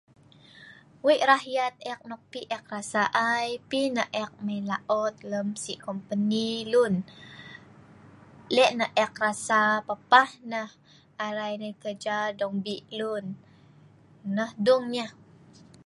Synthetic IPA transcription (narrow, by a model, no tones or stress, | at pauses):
wiʔɾaɦjat̪̚ɛk̚nɔk̚piʔɛk̚rasaʔajpinəʔʔɛk̚məjlaʔɔt̪̚ləmsiʔkɔmpənilun | lɛʔnəʔɛk̚rasapapahnəh | aɾajnəjkəd͡ʒadɔŋbiʔlun | əhduŋɲəh